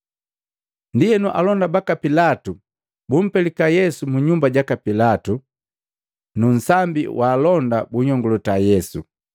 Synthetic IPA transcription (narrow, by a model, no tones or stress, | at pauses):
ndijɛnuʔa̰lɔndabakapilatu | bum̩pɛlikajɛsumuɲumbaɟakapilatu | nun̩sambḭwʔaːlɔndabuɲɔŋɡɔlɔtajɛsu